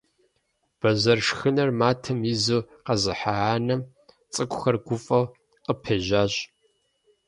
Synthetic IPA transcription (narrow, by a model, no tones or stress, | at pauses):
b̥ɐzɐrʂxɨnɐrmaːtʰɐmjizuːqɐzɨħaʕaːnɐm | t͡sʼɨkʷʼʊxɐrɡʷʊfʼɐw | qəpʰɐʒaːɕʼ